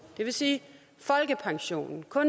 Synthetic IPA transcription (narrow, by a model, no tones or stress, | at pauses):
d̥e̝ʋe̝siː | fɒ̽lɡ̥əpʰɑ̈ŋɕo̝̰ːnn̩kʰɔ̽n